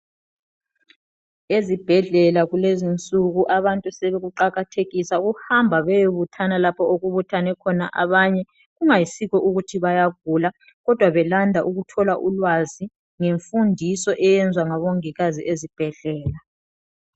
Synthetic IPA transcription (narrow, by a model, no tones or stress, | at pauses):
ezib̥ʱɛɮɛlaɣulezint͡sʼuɣuʔaβantʼusɛβɛɣuǃaɣatʰeɣisaɣuhambʱaβɛjoβutʰanalapʰɔoɣuβutʰanɛkʰɔnaʔaβaɲɛ | ɣuŋajisiɣɔʔuɣutʰiβajaɣ̚ʱula | ɣɔd̥ʱwaβɛlandʱaʔuɣutʰɔlaʔulwazi | ŋeɱfundʱisɔʔɛjɛnd͡zʱwaŋaβɔŋiɣaziʔezib̥ʱɛɮɛːla